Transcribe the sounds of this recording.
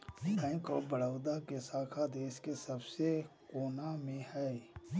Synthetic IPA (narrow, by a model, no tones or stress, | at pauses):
bɛ̃ːkobəɽəʊd̪akesaːkʰad̪eːʃkesəbsekoːnamẽhɛː